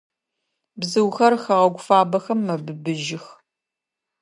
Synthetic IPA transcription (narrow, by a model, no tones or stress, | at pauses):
bzɨwxɐrxɐʁɐɡʷʊfaːbɐxɐmːɐbɨbɨʒɪx